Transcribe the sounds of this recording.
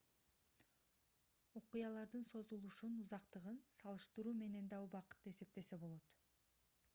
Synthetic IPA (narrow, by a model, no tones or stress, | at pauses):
oqujɑlˠɑɾd̪ɯnso̞zulˠuʃunuzɑqt̪ɯʁɯnsɑlˠɯʃt̪ɯɾuːme̞ne̞nd̪ɑubɑqɯ̥t̪ːɯe̞se̞p̚t̪e̞se̞bo̞lˠo̞t̪